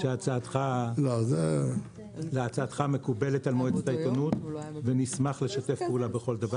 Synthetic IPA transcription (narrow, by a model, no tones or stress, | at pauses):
ʃeat͡saat̪χalaze | leat͡saːt̪χame̞kubeletalmoet͡setait̪onutvenismaχleʃate̞fpeulabeχo̞ld̪ava